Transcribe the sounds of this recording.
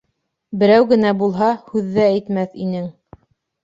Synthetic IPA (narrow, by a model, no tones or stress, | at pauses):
bɘ̆ɾæwɡɘ̆næbulˠɦɑhʉðːæːjt̪mæθinɘŋ